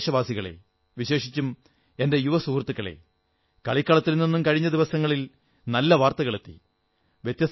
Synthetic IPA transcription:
ʂɐbaːsiɣɐɭḛ | ʋiɕe̞ːʂit͡ɕːum | ende̞juʋɐsuːrt̪ːukːɐɭe̞̰ | kɐɭikːɐɭɐt̪ːilninːumkɐɻiɲːɐd̪iʋɐsɐŋːɐɭil | nɐlːɐʋaːrt̪ɐɣɐɭet̪ːḭ | ʋjet̪jɐs

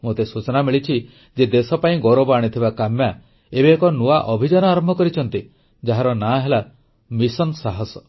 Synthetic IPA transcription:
mot̪esut͡ʃɔnamiɭit͡ʃʰi | d͡ʒed̪esɔpaĩɡɔɾobaɽ̃it̪ʰibakamja | ebeːkɔnuaʔɔbʱid͡ʒanɔaɾɔmbʱɔkɔɾit͡ʃʰɔnt̪i | d͡ʒaɦaɾɔnaɦela | misɔnsaɦɔsɔ

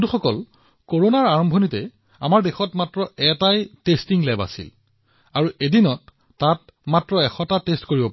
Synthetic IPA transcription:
duxɔkɔl | koɹonaɹaɹɔmbʱɔnitɛ | a̰maɹdexɔtmatɹɔɛtajtestiŋlɛba̰sḭl | aɹuʔedinɔtː | at̚matɹɔɛxʰɔtatestkoɹibɔpa

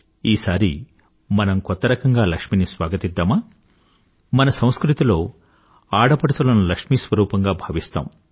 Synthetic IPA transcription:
iːsaːɾi | mɐnɐmkɔt̪ːɐɾɐkɐŋɡaːlɐkʂminisʋaːɡɐt̪id̪ːaːmaː | mɐnɐsɐ̃w̃skɾut̪ilo̞ː | aːɽɐpɐɽut̪ɐlɐnulɐkʂmisʋɐɾuːpɐŋɡaːbʱaːʋist̪a̰ːm

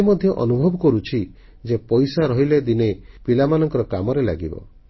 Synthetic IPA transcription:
mɔd̪ʱjɔʔɔnubʱɔbɔkɔɾut͡ʃʰi | d͡ʒepɔjsaɾɔɦiled̪inepilamanɔŋkɔɾɔkamɔɾela̰ɡibɔ̰

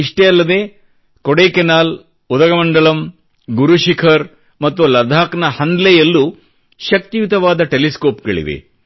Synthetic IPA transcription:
iʂʈeɐlːɐd̪e̞ː | koɽeːkenaːl | ud̪ɐɡɐmɐɳɖɐɭɐm | ɡuɾuʃikʰɐɾ | mɐt̪ːulɐd̪ʱaːknɐhɐnd̪lɛjɐlːu | ʃɐk̚t̪ijut̪ɐʋaːd̪ɐʈeliskoːpɡɐ̰ɭḭʋḛ

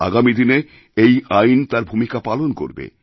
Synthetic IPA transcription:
a̰ɡamid̪ine | ejajnt̪aɾbʱumikapalonko̰ɾbḛ

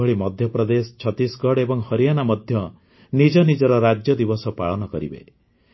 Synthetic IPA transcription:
ɔɭimɔd̪ʱjɔpɾɔd̪est͡ʃʰɔt̪isɡɔɽebɔŋhɔɾijanamɔd̪ʱjɔ | nid͡ʒɔnid͡ʒɔɾɔɾad͡ʒjɔd̪ibɔsɔpaɭɔnɔkɔɾḭbḛ

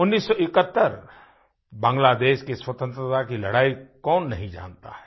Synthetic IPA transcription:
ʊnːiːsːɔɪkət̪ːəɾ | bãːŋɡlaːd̪eːʃkeswɐt̪ə̃nt̪ɾət̪akilɐɽaːikɔːnːɐɦĩd͡ʒã̰ːnt̪a̰ɦɛː

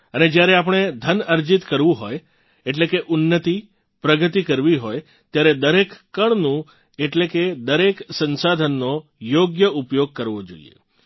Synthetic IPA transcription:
əned͡ʒjaɾeapɳ̃ed̪ʱənəɾd͡ʒit̪kəɾʋũɦoj | eʈlekeʔʊnːət̪i | pɾəɡət̪ikəɾʋiɦoj | t̪jaɾed̪əɾekːəɳnũ | eʈleked̪əɾeksə̃nsad̪ʱənːojoɡjəupjoɡ̚kəɾʋod͡ʒo̰ḭḛ

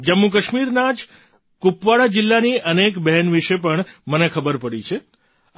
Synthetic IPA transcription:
d͡ʒəmːuk̬əʃmiɾnad͡ʒ | kupʋaɭad͡ʒɪlːaniənekbɛɦɛnʋiʃepəɳmənekʰəbəɾpəɽit͡ʃʰe

